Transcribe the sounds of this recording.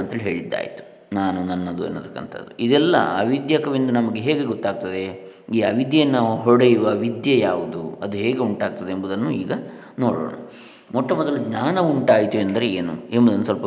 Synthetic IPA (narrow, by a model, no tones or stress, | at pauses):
ɐnt̪ɐlɦe̞ːɭid̪ːa̰ːjḭt̪u̥ | naːnunɐnːɐd̪uḛnːoːt̪ʰɐkːɐnt̪ʰɐ̰d̪ːuid̪ɛlːɐ̰ɐ̰ʋid̪jaːkɐʋind̪unɐmɐɡe̞ɦɛːɡe̞ɡɔt̪ːaːɡ̚t̪ɐd̪e̞ | iːɐʋid̪jɐjɐnːɐɦɔɽejiʋɐʋid̪jɐjaːʋud̪uɐd̪uɦɛːɡe̞uɳʈaːɡ̚t̪ɐd̪eembud̪ɐnːuḭːɡɐ | noːɽo̰ːɳɐ̰ | mɔʈːɐmɔd̪ɐluɡɲaːnɐuɳʈaːjt̪uend̪ɐɾe̞eːnṵembud̪ɐnːusʋɐlpɐ